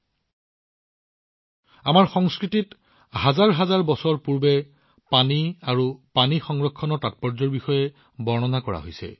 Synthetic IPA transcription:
amaɹxɔŋskɹitit | hazaɹɦazaɹbɔsɔɹpuɹbɛ | paniaɹupanixɔŋɹɔkʰːɔnɔɹtat̚pɔɹzɔɹbixɔjɛ | bɔɹnɔnakɔɹa̰ɦojsɛ̰

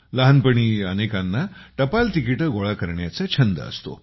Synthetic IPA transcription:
ləɦənpəɳ̃iːənekanːaʈəpalʈ̪ikiʈəɡoɭakəɾɳjat͡set͡ɕʰənd̪ə̰ə̰st̪o̰

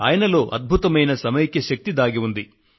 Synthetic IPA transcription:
a̰ːjɐnɐlo̞ːʔɐd̪̚bʱut̪ɐmɐjnɐsɐmɐjɐkːeʃɐk̚t̪id̪aːɡiund̪i

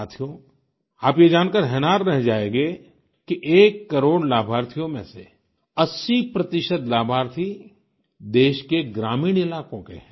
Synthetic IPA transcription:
aːt̪ʰijõ | aːpjed͡ʒaːnkəɾɦɛːnaːɾɾɛɦd͡ʒaːeːɡe | kiʔeːkːɐɾoːɽlaːbʱaːɾt̪ʰijõmẽse | ɐsːipɾɐt̪ɪʃəd̪laːbʱaːɾt̪ʰi | d̪eːʃkeɡɾaːmiːɽ̃ɪlaːkõkḛɦɛ̃

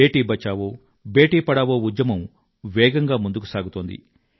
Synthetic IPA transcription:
eːʈiːbɐt͡ʃaːʋoː | beːʈiːpɐɽaːʋoːud̪jɐmɐm | ʋɛːɡɐŋɡaːmund̪ukusaːɡut̪oːnd̪ḭ

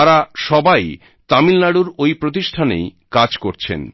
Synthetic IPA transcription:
aɾaʃɔbaj | t̪amilnaɽuɾojpɾot̪iʃʈʰanḛjkad͡ʑkoɾt͡ɕʰḛn

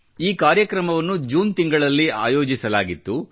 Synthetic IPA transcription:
iːkaːɾjɐkɾɐmɐʋɐnːud͡ʒuːnt̪iŋɡɐɭɐlːia̰ːjoːd͡ʒisɐlaːɡit̪ːu

